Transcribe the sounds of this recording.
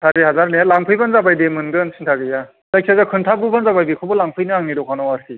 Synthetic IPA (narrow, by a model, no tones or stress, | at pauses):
tʰadiɦazaɾnelaŋpʰɯjbanzabajdemɯnɡɯnsʰintʰaɡɯja | zajkʰsʰazakʰɯntʰabubanzabajbikʰɯbɔlaŋpʰɯjnɯaŋniɾɔkʰanɔwaɾsi